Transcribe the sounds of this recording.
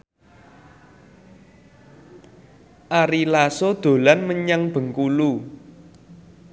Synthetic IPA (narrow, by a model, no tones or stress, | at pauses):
ʔaɾilasod̪̥o̤lanməɲaŋb̥ə̤ŋkulu